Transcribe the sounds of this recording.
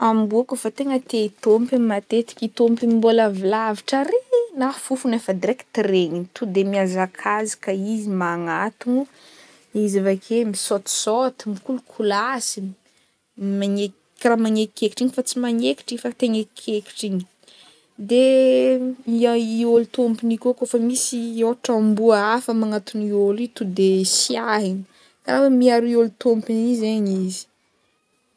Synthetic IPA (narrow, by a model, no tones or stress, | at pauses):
ambuakufat̪eŋət̪eit̪ompiimat̪et̪i̥kʲit̪ompimimbolavilaviʈ͡ʂaɾenafufunefəd̪iɾeki̥t̪iɾeɲint̪ud̪emiazakʰazi̥kaizimaŋat̪unu | izavakʰemisot̪i̥sot̪imikulukʰulasi | maɲe | kaɾamaɲekikeki̥ʈ͡ʂiɲifat͡simaɲeki̥ʈ͡ʂifat̪eɲekkʰeki̥ʈ͡ʂiɲi̥ | d̪e | aiolut̪ompinikokofamisioʈ͡ʂambuəafəmaŋat̪uniolit̪ud̪esiaɦiɲi̥ | kaɾafamiaɾiolt̪ompinizeɲizi̥